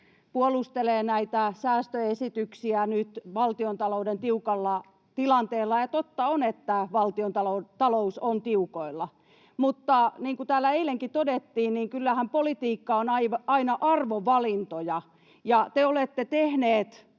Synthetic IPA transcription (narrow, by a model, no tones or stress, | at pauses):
puolust̪eleːnæit̪æsæːst̪øesit̪yksiænyt̪ʋɑlt̪iont̪ɑloudent̪iukɑlːɑ | t̪ilɑnt̪eːlːɑjɑt̪ot̪ːɑonet̪ːæʋɑlt̪iont̪ɑlout̪ɑlousont̪iukoilːɑ | mut̪ːɑniːŋkut̪æːlːæeileŋkit̪odet̪ːiːnniːŋkylːæhæmpolit̪iːkːɑonɑiʋɑinɑʔɑrʋoʋɑlint̪ojɑ | jɑt̪eolet̪ːet̪ehneːt̪